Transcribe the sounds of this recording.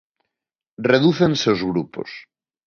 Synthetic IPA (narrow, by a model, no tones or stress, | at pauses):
reðuθẽnseowzɣɾupo̰s